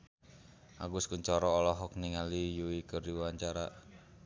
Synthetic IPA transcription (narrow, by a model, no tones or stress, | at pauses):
ʔa̰ɡuskuɲt͡ʃɔɾɔːlɔɦɔk̚niŋalijuikərdiwaɲt͡ʃaɾa